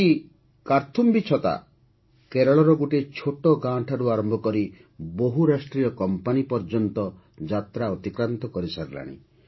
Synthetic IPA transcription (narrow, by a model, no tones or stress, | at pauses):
i | kaɾt̪ʰumbit͡ʃʰɔt̪a̰ | keɾɔɭɔɾɔɡuʈet͡ʃʰoʈɔɡãʈʰaɾuaɾɔmbʱɔkɔɾi | boɦuɾasʈɾijɔkɔmpanipɔɾd͡ʒɔnt̪ɔ | d͡ʒat̪ɾaɔt̪ikɾant̪ɔkɔɾisaɾla̰ɽ̃ḭ